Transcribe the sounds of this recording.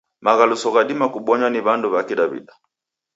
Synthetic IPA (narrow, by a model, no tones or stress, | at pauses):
maɣalusɔɣadimakuɓɔɲwaniβanduβakiɗaβḭɗa